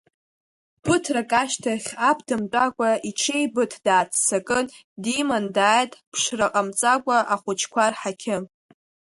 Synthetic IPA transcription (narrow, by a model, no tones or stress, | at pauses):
b̥ɨtʰrakʼaʃtʰaχʲapʰdɨmt͡pʷʼakʷʼait͡ʃʰejbɨtʰd̥aːt͡sʰt͡sʰakʼɨn | dimandaːjtʼpʰʂraqʼamt͡sʼakʷʼaʔaχʷʊt͡ʃʰkʷarħakʲʰɪ